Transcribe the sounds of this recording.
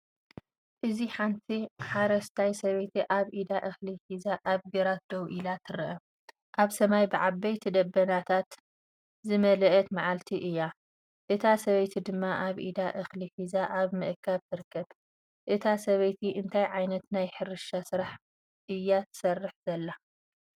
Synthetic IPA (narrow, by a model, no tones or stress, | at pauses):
ʔɨziħant̪ʰiħaɾɐst̪ʰajsɐβɐjt̪ʰiʔaβʔid̪aʔɨxliħizaʔaβɡɐɾat̪̚d̪ɐwʔilat̪ʰɨɾɨʔɐ | ʔaβsɐmajbɨʕabːɐjt̪ʰid̪ɐbːɐnat̪ʰat̪ | zɨmɐlɐʔɐt̪maʕalt̪ʰiʔɨjːa | ʔɨt̪ʰasɐβɐjt̪ʰid̪ɨmːaʔaβʔḭd̪aʔɨxliħizaʔaβmɨʔkʰːaβt̪ʰɨɾɨkʰːɐβ | ʔɨt̪ʰasɐβɐjt̪ʰiʔɨnt̪ʰajʕajnɐt̪najħɨɾɨʃasɨɾaħ | ʔɨjːat̪ʰɨ̥sɐrːɨħz̥ɐlːa